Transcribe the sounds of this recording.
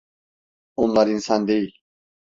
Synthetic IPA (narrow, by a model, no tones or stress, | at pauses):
onlˠaɾinsand̪ejilʲ